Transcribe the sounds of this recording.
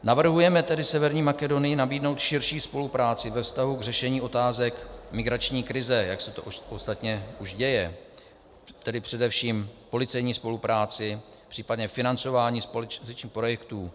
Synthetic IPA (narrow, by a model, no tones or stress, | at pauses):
navr̩ɦujɛmɛt̪ɛdɪsɛvɛɾɲiːmakɛdo̞nɪjɪnabiːdnowt̪ʃɪɾʃiːspo̞lupɾaːt͡sɪvɛfst̪aɦuɡrɛʃɛɲiːʔo̞t̪aːzɛkmɪɡɾat͡ʃɲiːkɾɪzɛjaksɛt̪o̰ost̪at̪ɲɛuʒɟɛjɛ | t̪ɛdɪpr̝̥ɛdɛfʃiːmpo̞lɪt͡sɛjɲiːspo̞lupɾaːt͡sɪ | pr̥iːpadɲɛfɪnant͡so̞vaːɲiːspolt͡ʃzɛt͡ʃɲiːxpɾojɛkt̪uː